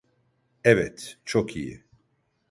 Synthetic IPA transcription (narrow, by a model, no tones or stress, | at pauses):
ɛvɛt̪t͡ʃʰokʰijḭ